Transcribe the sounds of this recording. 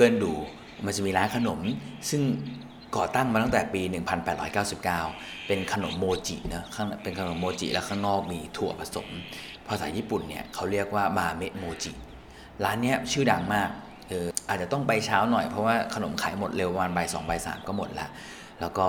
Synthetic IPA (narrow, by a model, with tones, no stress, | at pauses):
kɤː˧nduː˨˩ | ma˧nt͡ɕa˨˩miː˧ɾaː˦˥nkʰa˧no˩˦msɯ˥˩ŋ | kɔː˨˩t̪a˥˩ŋmaː˧t̪a˥˩ŋt̪ɛ˨˩piː˧nɯ˨˩ŋpʰa˧npɛː˨˩t̪ɾɔː˦jkaː˥˩wsi˨˩p̚kaː˥˩w | pe˧nkʰa˧no˩˦mːoː˧t͡ɕḭ˨˩nɯ˦˥kʰa˥˩ŋpe˧nkʰa˧no˨˩˦mːoː˧t͡ɕḭ˨˩ʔlɛ̰ː˦˥wkʰaː˥˩ŋnɔː˥˩k̚miː˧t̪ʰu˨˩ɐpʰa˧so̰˨˩˦m | pʰɔː˧saː˩˦jiː˥˩pu˨˩nːḭ˦˥˩ɐkʰa˦˥wɾi˥˩ək̚waː˥˩maː˧me˦˥t̪̚moː˧t͡ɕḭ˨˩ | ɾaː˦˥nːi˦˥ɐt͡ɕʰɯː˥˩da˧ŋmaː˥˩k̚ | ʔɤː˧ʔaː˨˩t̪̚t͡ɕa˨˩t̪ɔ˥˩ŋpa˧jt͡ɕʰaː˦˥wnɔ˨˩jpʰɾɔ˦˥waː˥˩kʰa˧no˨˩˦mkʰaː˩˦jmo˨˩t̪̚le˧wa˧maː˧nba˧jsɔ̰ː˩˦ŋba˧jsa̰ː˩˦mkɔː˥˩mo˨˩t̪̚la̰˦˥ʔ | lɛː˦˥wkɔː˥˩